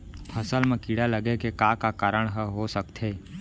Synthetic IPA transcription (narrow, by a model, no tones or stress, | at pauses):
pʰəsəlmẽkiɽaləɡekekakakaːɾəɽ̃ɦəɦosəkt̪ɦeː